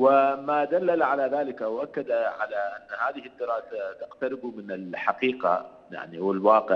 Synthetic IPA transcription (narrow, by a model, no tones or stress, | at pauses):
wɪmaːd̪alːalʕalaðaːlɪkʔawʔakːad̪aʕa̰laʔanːahaːðɪhɪd̪ːɪɾˤɑːsat̪aqt̪aɾɪbumɪnɪlħaqiːqa̰ | ja̰ʕniwɪlwɑːqɪʕ